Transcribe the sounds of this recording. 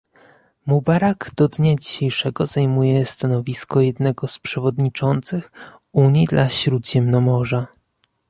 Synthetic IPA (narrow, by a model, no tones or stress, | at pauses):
mubaɾaɡd̪̥ɔd̪ɲad͡ʑiɕejʂɛɡɔzajmujɛst̪anɔvʲiskɔjɛd̪nɛɡɔspʂɛvɔd̪ɲit͡ʂɔnt̪sɘx | uɲid̪lʔaɕɾud̪ʑɛmnɔmɔʐa